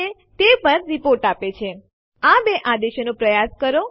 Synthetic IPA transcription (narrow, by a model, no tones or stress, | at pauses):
e | t̪epəɾɾipoɾʈapet͡ʃʰe | abeʔad̪eʃnõpɾəjaskəɾo